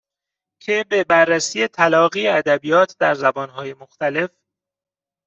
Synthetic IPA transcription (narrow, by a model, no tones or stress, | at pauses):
cʰebe̞bærːæsiːjet̪ʰælɒːɣiːeæd̪æbijɒːt̪ʰd̪æɾzæbɒːnɦɒːjemoxt̪æle̞f